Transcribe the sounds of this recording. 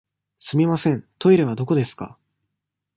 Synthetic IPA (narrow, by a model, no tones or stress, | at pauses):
sɨmʲimasẽ̞nt̪o̞iɾeβ̞ad̪oko̞d̪e̞sɨ̥ka̰